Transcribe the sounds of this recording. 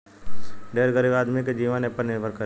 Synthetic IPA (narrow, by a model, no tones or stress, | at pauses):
ɖeːɾɡəɾiːbaːd̪miked͡ʒiːʋanepəɾnɪɾʋʱəɾkə